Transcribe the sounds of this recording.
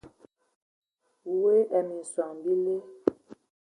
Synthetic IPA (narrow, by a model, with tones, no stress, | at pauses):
we˦ʔɛ˨mi˨n̩˨swa˨ŋbi˦le˦